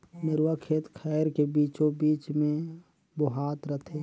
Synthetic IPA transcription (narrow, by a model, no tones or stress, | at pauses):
mɪɾwakʰeːt̪kʰɛːɾkebiːt͡ʃõbiːt͡ʃmẽ | bʊɦaːt̪ɾət̪ʰeː